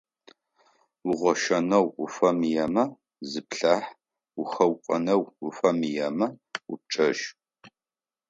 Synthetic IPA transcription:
ʊʁʷɔʃɐnɐwʊfɐmijɐmɐ | zɨpɬaːħ | wʊχɐwqʷʼɐnɐwʊfɐmijɐmɐʊp̚ʈ͡ʂʼɐʒ

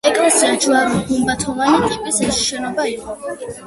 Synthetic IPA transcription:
ɛkʼlɛsiat͡ʃʰlaɾɔhumbat̪ʰɔvanit̪ʼipʼisɛʃi̥ʃɛnɔbaiqʼɔ

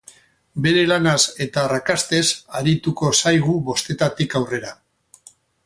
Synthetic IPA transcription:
be̞ɾe̞lanase̞t̪aːrakast̪e̞saɾit̪uko̞sajɣ̞uβo̞st̪e̞t̪at̪ikawre̞ɾa

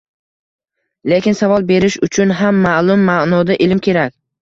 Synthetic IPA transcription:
lekʲɪnsavɒlˠbe̞ɾɪʃʊt͡ʃʰʊnɦamːalˠʊmːanɒd̪aʔɪlmkʲʰe̞ɾakʲ

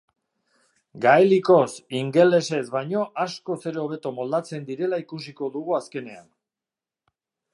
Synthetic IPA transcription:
ɡaeliko̞siŋɡe̞le̞se̞zbajɲo̞ʔasko̞se̞ɾeoβ̞e̞t̪o̞mo̞ld̪at͡se̞nd̪iɾe̞laikus̬iko̞ðuɣuaske̞ne̞a̰n

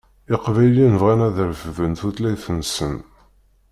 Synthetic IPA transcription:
ɪqvæjlinvʁænæðəɾfəvənθuθlæjθənsən

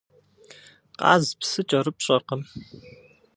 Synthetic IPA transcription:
qɑ̰ːzpsɨt͡ʃʼɐɾɨpɕʼɐrqəm

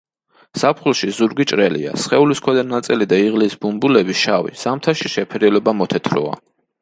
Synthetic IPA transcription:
sapʰχulˠʃizuɾɡit͡ʃʼɾɛlḭa̰sχɛuliskʰwɛd̪anat̪sʼilid̪aiʁlisbumbulɛbiʃavḭz̥amt̪ʰaʃiʃɛpʰɛɾiɔlɔbamɔt̪ʰɛt̪ʰɾɔ̰a̰

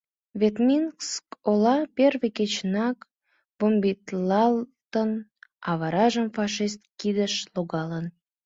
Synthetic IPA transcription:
vet̪minskolɑperveket͡ɕnɑk | b̥ombit̪lɑlt̪ənɑβɑɾɑʒəmfɑʃist̪̚kid̪əʃloɣɑlən

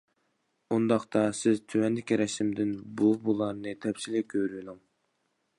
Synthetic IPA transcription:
und̪ɑχt̪ɑsɪzt̪ʰywɛnd̪ɪkʲiɾɛʃɪmd̪ɪnbubulˠɑɾnɨt̪ʰɛpsilɪkʲʰøɾyd̪uŋ

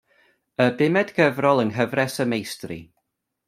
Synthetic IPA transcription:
əbɪmɛdɡəvrɔlˠənɦəvrɛsəmejstrḭ

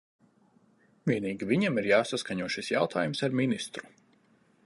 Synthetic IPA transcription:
vʲiɛniːɡʲivʲiɲamiɾjaːsaskaɲuɔʃisja̰wt̪ʰa̰ːjumsaɾminist̪ɾu̥

